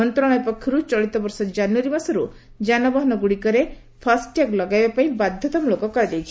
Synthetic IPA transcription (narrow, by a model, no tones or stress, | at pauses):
ɔnt̪ɾɔɽ̃ɔjpɔkʰːɔɾut͡ʃɔɭit̪ɔbɔɾsɔd͡ʒanuwaɾibasɔɾu | d͡ʒanɔbɔɦɔnɔɡuɽikɔɾe | pʰasʈaklɔɡajbapaĩbad̪ʱjɔt̪ɔmlokɔkɔɾad͡ʒajt͡ʃʰi̥